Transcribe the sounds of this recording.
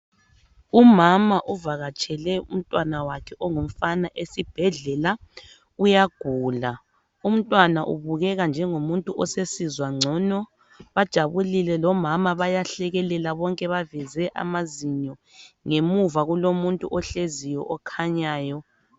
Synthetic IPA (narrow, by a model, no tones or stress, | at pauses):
umamaʔuvaɣat͡ʃʼʰɛlɛṵm̩tʼwanawakʰɛʔɔŋum̩fanaʔesib̥ʱɛɮɛla | ujaɡ̥ʱuːla | um̩tʼwanaʔṵβuɣɛɣand͡ʒʱɛŋomuntʼuʔɔsesizwaŋ͡ǀʱɔnɔ | βad̥ʒ̥ʱaβulilɛlɔmamaβajaɬɛɣɛlɛlaβɔŋkʼɛβavɛzɛʔa̰maziɲɔ | ŋemuvaɣulomuntʼuʔɔɬezijɔʔɔkʰaɲaːjɔ